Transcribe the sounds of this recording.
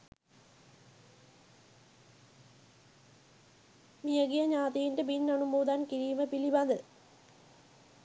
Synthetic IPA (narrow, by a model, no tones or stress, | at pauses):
mijɐɡijɐɲaːt̪ijindebinnɐɳumoːd̪aːnkiɾiːmɐpilibaːd̪ɨ